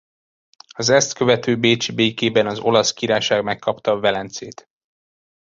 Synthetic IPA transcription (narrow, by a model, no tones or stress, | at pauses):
ɒzɛst̪kø̞vɛt̪øːbeːt͡ʃibeːkeːbɛnɒzo̞lɒskiɾaːjʃaːɡmɛkːɒpt̪ɒvɛlɛnt̪seːt̪